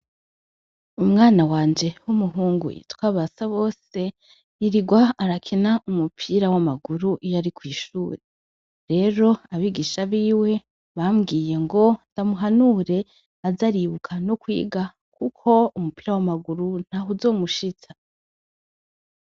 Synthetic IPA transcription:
umŋaːnawaːnd͡ʒe̞humuɦuːŋɡṵḭtwaːβasaβo̞ːse̞ | iɾiɡwaːɾakʰinaʔumupʰiɾawamaɡuɾuʔijaɾikwiːʃṵːɾe | ɾe̞ɾo̞aβiɡiʃaβiːwe̞ | βamɡiːje̞ŋɡo̞td̥amuɦanuːɾe̞ | azaɾiβukʰanokwḭːɡa | kʰukʰo̞umupiɾawamaɡuɾun̥hauzo̞ːmuʃit͡sa

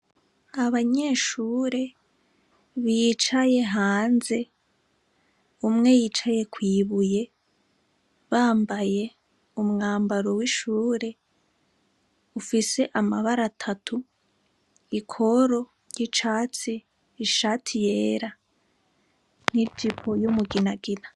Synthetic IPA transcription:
aβaɲe̞ʃuːɾe̞ | βit͡ʃaje̞ɦaːnze̞ | umŋe̞jit͡ʃaje̞kwiːβuje̞ | βaːmbaje̞ | umŋaːmbaɾo̞wiʃuːɾe̞ | ufise̞ʔamaβaɾatʰatʰu | ikʰo̞ɾo̞ | jit͡ʃaːt͡siː | ʃatʰije̞ːɾa | nidipʰo̞jumuɡinaɡina

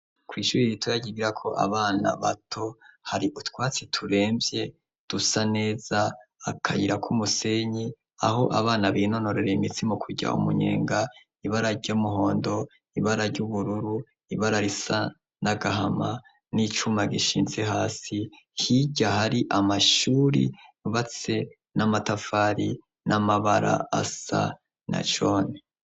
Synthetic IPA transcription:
kwiːʃuɾijitʰojaɟiɡiɾakʰo̞ʔa̰βaːna̰βa̰tʰo̞haɾiʔutwaːt͡sitʰuɾe̞ːmbje̞ | d̥usane̞ːzaakʰajiɾakʰumuse̞ɲi | a̰ɦo̞ʔaβaːnaβino̞no̞ɾe̞ɾeimitimokʰuɟa̰ʔṵmṵɲe̞̰ːŋɡa | iβaɾaɾɟomuɦo̞ːndo̞ | iβaɾaɾɟuβuɾuɾu | iβaɾaɾisa | naɡaɦama | nit͡ʃumaɡiʃiːnze̞ɦaːsi | hiɟahaɾiʔamaʃuːɾḭuβat͡se̞ | namatafaːɾi | namaβaɾa̰asa̰ | na̰t͡ʃoːne

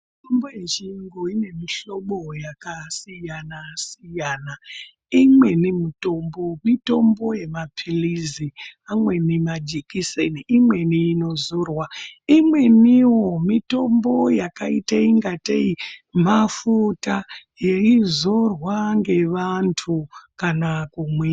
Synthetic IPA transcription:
mitombojet͡ʃiŋɡoine̞miɬo̞ɓo̞jakasijanasijana | imwe̞nimito̞mbo̞mito̞mbo̞je̞mapʰiliziamwe̞nimad͡ʒikiseniimwe̞niːno̞zorwaimwe̞niwomito̞mbo̞jakaiteiŋɡateimafutajeizorwaŋɡe̞ʋantʰukanakumwe

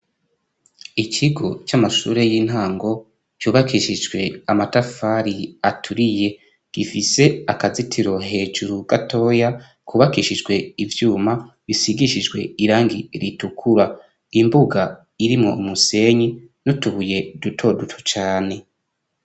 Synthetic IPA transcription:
icʰiɡot͡ʃamaʃṵːɾe̞jiːn̥haːŋɡo̞ | t͡ʃuːβakiʃid͡ʒɡwe̞amatafaɾiatʰuɾije̞ | ɡ̥ifise̞akazitʰiɾo̞ɦe̞ːd͡ʒuɾuɡ̥atʰo̞ːja | kʰuːβakiʃid͡ʒɡwe̞ivjuːma | βisiɡiʃid͡ʒɡwe̞̰iɾaːŋɡiɾitukʰuɾa | imbuɡa | iɾimŋo̞̰umuse̞ɲi | nutuβuje̞dutʰo̞dutʰu̥t͡ʃaːne̞

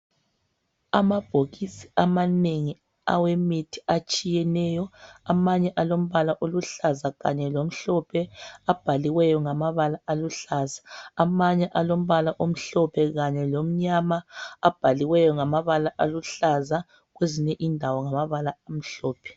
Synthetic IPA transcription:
amab̥ʱoɣisi̥amaneŋi | a̰wemitʰi̥at͡ʃʼijɛnɛjɔamaɲɛʔalom̩βalaʔoluɬazaɣaɲɛlom̩ɬɔpʰɛab̥ʱaliwɛjɔŋamaβalaaluɬazaːmaɲɛʔalom̩βalaʔom̩ɬɔpʰɛɣaɲɛlom̩ɲamaːb̥ʱaliwɛjɔŋamaβalaʔaluɬaza | ɣweziɲɛʔindʱawɔŋamaβalaam̩ɬɔːpʰɛ̥

